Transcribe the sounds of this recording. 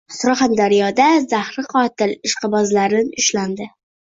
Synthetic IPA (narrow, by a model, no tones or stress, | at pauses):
sʊɾχand̪aɾijɒd̪azahɾɪqʰɒt̪ɪlɪʃqʰɨbɒzlaɾɪnʊʃland̪ɪ